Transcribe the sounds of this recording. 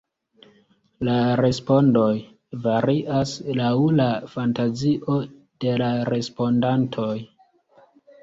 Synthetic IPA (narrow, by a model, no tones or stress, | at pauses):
laɾe̞spo̞ndoj | vaɾiʔaslawlafantaziʔo̞ | d̥e̞laɾe̞spo̞ndantʰo̞j